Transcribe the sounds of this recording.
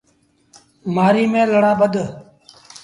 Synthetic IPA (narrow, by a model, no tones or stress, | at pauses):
maːɾiːmẽːləɽaːbəd̪